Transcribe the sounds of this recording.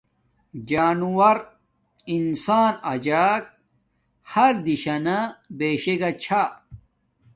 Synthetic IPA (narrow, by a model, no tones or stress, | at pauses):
d͡ʑaːnuwɐɾ | insaːnɐd͡ʑaːk̚ | hɐɾd̪iɕɐnabeːɕeɡat͡ɕʰa